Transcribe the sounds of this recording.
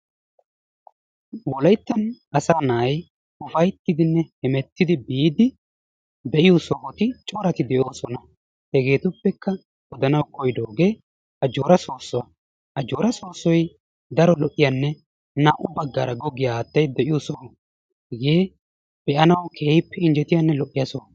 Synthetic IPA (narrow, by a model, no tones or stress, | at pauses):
wɔlɐjt̪ːɐnɐsaːnaːj | ʊfɐjt̪ːɪd̪ɪnːɛhɛmɛt̪ːɪd̪ɪbiːd̪ɪ | bɛʔɪjɔsɔhɔt̪ɪt͡ʃʼo̞ːɾɐt̪ɪd̪ɛʔo̞ːsɔnɐ | hɛɡe̞ːt̪ʊpːɛkːɐ | wɔd̪ɐnɐwkɔjd̪oːɡe̞ː | ɐd͡ʒoːɾɐsoːsːɔwa | ʔɐd͡ʒoːɾɐso̞ːsːɔj | d̪ɐɾɔlɔʔːɪjɐnːɛ | nɐʔʊbɐɡːɐɾɐɡɔɡɪjaːt̪ːɐjd̪ɛʔɪjɔsɔhɔ | ɡeː | b̥ɛʔɐnɐwkʰeːɪpːɛɪnd͡ʒɛt̪ɪjanːɛlɔʔːɪjɐsɔw